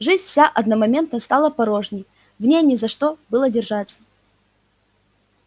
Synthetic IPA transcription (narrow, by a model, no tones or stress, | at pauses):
ʐɨzʲnʲfsʲaʔɐd̪nɐmɐmʲe̞nt̪nəst̪alˠəpɐɾoʐnʲɪj | vnʲejnʲɪzɐʂt̪obɨlˠədʲɪrʐat̪sːə̥